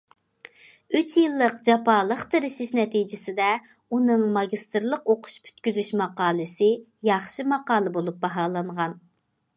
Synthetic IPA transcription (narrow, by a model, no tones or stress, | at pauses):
yt͡ʃʰjɨlˠːəqd͡ʒɑpɑːlˠəqt̪ʰeɾɪʃiʃnɛt̪ʰid͡ʒɪsɪd̪ɛ | unɨŋmɑɡʲist̪ɨɾlˠəqoqʰʊ̥ʃpʰy̥t̪kʲyzyʃmɑqɑːlˠɨsɪ | jɑχʃɨmɑqɑːlˠɨbolˠup̚bɑɦɑːlˠɑɴʁɑn